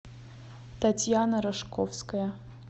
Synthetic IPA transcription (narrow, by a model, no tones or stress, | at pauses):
tʰatʰʲjanɐɾɐʂkʰofskaja